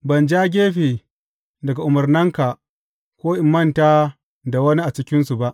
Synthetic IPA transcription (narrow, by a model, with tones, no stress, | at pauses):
bɐ˨nd͡ʒaː˦ɡʲeː˦ɸeː˨ | dɐ˨ɡa˨ʔʊ˨mɐ˨rnɪ˦ŋka˨ | kʷoː˦ʔɪ˨mːɐ˦˨ntaː˦ | da˨wɐ˦ni˦ʔa˨t͡ʃɪ˦kʲɪ˦nsu˨ba˦ʔ